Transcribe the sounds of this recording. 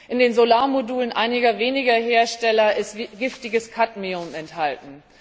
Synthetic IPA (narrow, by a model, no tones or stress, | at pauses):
ʔɪndeːnzolaːɐmoduːlənʔaɪnɪɡɐveːnɪɡɐɦeːɐʃtɛlɐʔɪstɡɪftɪɡəskʰatmiʊmɛnthaltn̩